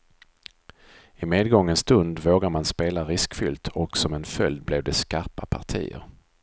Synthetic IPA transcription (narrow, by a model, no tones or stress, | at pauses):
ɪmeːd̪ɡɔŋːənst̪ɵnd̪voːɡaɾmanspeːlaɾɪskfʏlt̪ʰɔksɔmɛnfœld̪̚blɛvd̪ɛskaɾpapʰaʈʰḭːə̰ɾ